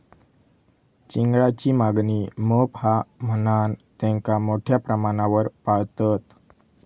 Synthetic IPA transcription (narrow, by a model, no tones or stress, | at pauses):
t͡ɕiŋɡɭat͡ɕiːmaɡniːməpamənant̪ɛ̃ŋkamoʈʰjapɾəmaɽ̃aʋəɾpaɭt̪ət̪